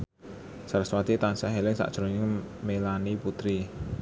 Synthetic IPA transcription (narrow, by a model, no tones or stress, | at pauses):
saɾswat̪it̪ansɛʔɦelɪŋsa̰ʔd̥ʒ̥ɾo̤nɪŋmelaniput̪ɾi